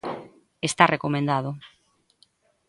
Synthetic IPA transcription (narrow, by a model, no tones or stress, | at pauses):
est̪arekomẽnd̪aðʊ